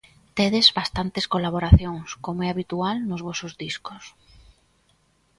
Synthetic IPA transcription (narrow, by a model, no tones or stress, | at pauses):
t̪eðezβast̪ant̪eskolaβ̞oɾaθjoŋskomoɛaβit̪ualnʊzβɔsʊzðiskʊs